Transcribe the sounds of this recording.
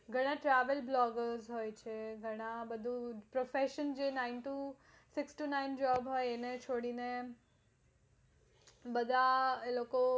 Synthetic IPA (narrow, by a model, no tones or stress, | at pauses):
ɡʱəɽ̃ãʈɾaʋəlblɔɡəɾzɦojt͡ʃʰeɡʱəɽ̃abəd̪ʱũpɾofeʃənd͡ʒenaɪnʈu | sɪksʈunaind͡ʒɔbɦojenet͡ʃʰoɽine | bəd̪ʱaeloko